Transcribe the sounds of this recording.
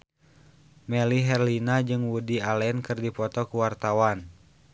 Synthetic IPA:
mɛliɦɛrlinad͡ʒɨŋwudialɛnkɨrdipɔt̪ɔkuwart̪awan

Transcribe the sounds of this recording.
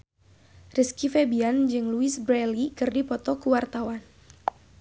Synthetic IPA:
rɨskifebiand͡ʒɨŋluisbɾɛlikɨrdipɔt̪ɔkuwart̪awan

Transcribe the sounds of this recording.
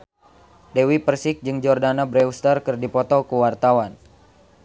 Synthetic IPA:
dewipərsɪk̚d͡ʒɨŋd͡ʒɔrdanabɾɛust̪arkɨrdipɔt̪ɔkuwart̪awan

